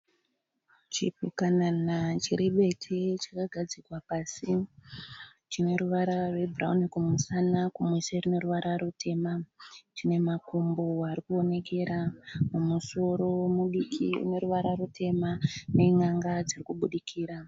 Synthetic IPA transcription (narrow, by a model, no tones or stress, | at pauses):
t͡ʃipukananat͡ʃiɾiɓe̞tʰet͡ʃḁkaɡʱad͡zikwapaːsi | t͡ʃine̞ɾuʋaɾarwe̞bura̰unikumusanakumweserine̞ɾuʋaɾaɾutʰe̞mat͡ʃine̞makumboaɾikuo̞ne̞ke̞ɾamumuso̞ɾo̞muɗikʰḭṵne̞ɾuʋaɾarutʰe̞mane̞ŋaŋɡad͡zirikuɓuɗikʰiːɾa